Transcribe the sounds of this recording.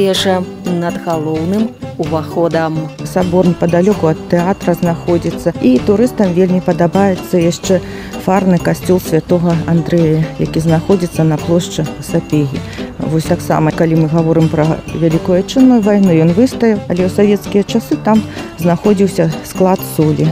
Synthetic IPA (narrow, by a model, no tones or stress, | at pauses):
ɛʐɛ | nɐd̪ɣalˠɔwnɨmuvaxɔd̪ɐmsabɔrnɨpɐd̪alʲɔkuɐt̪ːɛat̪ɾɐznaxɔd͡zʲit̪sːɐit̪uɾɨst̪ɐmvʲelʲmʲipɐd̪abajɛt̪sːɐjaʂt͡ʂɛ | farnɨkasʲt͡sʲɔlˠsʲvʲat̪ɔɣɐand̪ɾɛjɐja̰kʲiznaxɔd͡zʲit̪sːɐnɐplˠɔʂt͡ʂɨsapʲeɣʲḭvɔsʲt̪aksa̰mɐkalʲimɨɣavɔɾɨmpɾɐvʲalʲikujat͡ʂɨnːujuvajnujɔnvɨst̪ɐjiwɐlʲɛwsavʲɛt̪skʲijɐt͡ʂasɨt̪amznaxɔd͡zʲiwsʲɐsklˠat̪sɔlʲi